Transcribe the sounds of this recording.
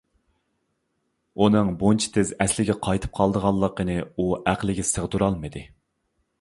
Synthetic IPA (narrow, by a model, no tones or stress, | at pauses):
unɨŋbont͡ʃʰi̥t̪ʰɪzɛslɪɡʲɛqʰɑjt̪ʰɨ̥p̚qʰɑlˠd̪əʁɑlˠːəqːənɨuæqlˠɪɡʲɛsəʁd̪uɾɑlˠmɨd̪ɨ